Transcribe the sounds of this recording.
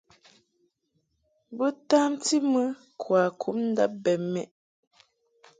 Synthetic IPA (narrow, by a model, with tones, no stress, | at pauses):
bə˦taː˦mti˦mɨ˦ | kʰwaː˨kʰu˨˦mn̩˦da˦p̚bɛ˨mɛ˨ʔ